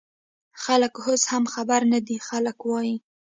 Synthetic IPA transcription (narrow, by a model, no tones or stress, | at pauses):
xaləkhʊzhamxabaɾnad̪ixaləkwɑji